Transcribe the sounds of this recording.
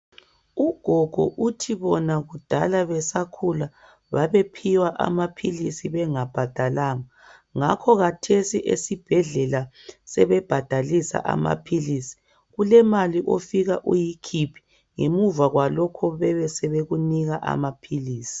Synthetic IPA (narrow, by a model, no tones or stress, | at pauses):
uɡ̥ʱɔɡ̥ʱɔ̰ʔutʰiβɔnaɣud̥ʱalaβɛsakʰula | βa̰βepʰiwaʔa̰mapʰilisiβɛŋab̥ʱad̥ʱalaːŋa | ŋakʰɔɣatʰesiʔḛsib̥ʱɛɮɛlasɛβɛb̥ʱad̥ʱalisa̰ʔa̰ma̰pʰilisi̥ | ɣulɛmaliʔofiɣaʔujikʰipʰi̥ | ŋemuvaɣwalɔkʰɔβɛβɛsɛβeɣuniɣaʔa̰mapʰiliːsi̥